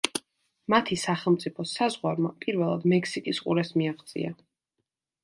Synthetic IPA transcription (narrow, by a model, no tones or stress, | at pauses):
mat̪ʰisaχɛlˠmt̪sʼipʰɔsazʁwaɾmapʼiɾvɛlˠa̰d̪mɛkʰsikʼisqʼṵɾɛsmiaʁd̪zʼḭa